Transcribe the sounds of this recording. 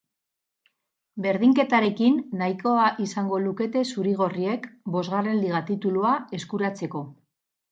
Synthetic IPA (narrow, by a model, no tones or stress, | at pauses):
be̞ɾðiŋke̞t̪aɾe̞kinːajko̞aʔisaŋɡo̞luke̞t̪e̞suɾiɣ̞o̞rie̞kbo̞zɣare̞nliɣ̞at̪it̪uluae̞skuɾat͡se̞ko̞